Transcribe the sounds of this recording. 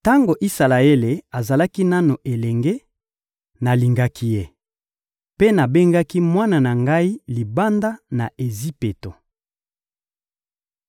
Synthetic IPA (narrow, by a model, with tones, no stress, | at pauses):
ta˦ŋɡo˨ʔi˦sa˨la˨e˦le˨a˨za˨la˦ki˦na˦no˨ʔe˨lɛ˨ŋɡe˦ | na˨li˨ŋɡa˦ki˦je˦ | pe˦na˨be˦ŋɡa˦ki˦mwa˦na˨na˨ŋɡa˦i˦li˨ba˦nda˦na˨ʔe˨zi˦pe˨to˨